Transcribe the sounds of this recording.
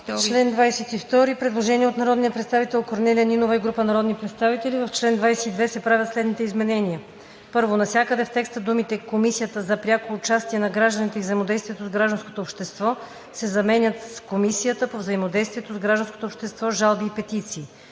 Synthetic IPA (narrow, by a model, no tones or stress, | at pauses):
t͡ʃlɛnd̪vajsɛt̪ift̪ɔɾipɾɛd̪lˠoʒɛnʲiɛot̪nɐɾɔd̪nijəpɾɛt̪st̪avit̪ɛlˠkoɾnɛliəninovəiɡɾupənɐɾɔd̪nipɾɛt̪st̪avit̪ɛlivɐft͡ʃlɛnd̪vajsɛid̪vɛsɛpɾavʲət̪slɛd̪nit̪ɛizmɛnɛnʲijə | pɤɾvonɐsʲjakəd̪ɛft̪ɛkst̪əd̪umit̪ɛkomisijət̪əzɐpɾʲjakoːt͡ʃast̪iɛnɐɡɾaʒd̪ənit̪ɛivzɐimod̪ɛjst̪viɛt̪ozɡɾaʒd̪ənsko̥t̪oːpʃt̪ɛst̪vɔ | sɛzɐmɛnʲət̪komisijət̪əpovzəimod̪ɛjst̪viɛt̪ozɡɾaʒd̪ənskot̪opʃt̪ɛst̪vɔʒalˠbiːpɛt̪it̪siː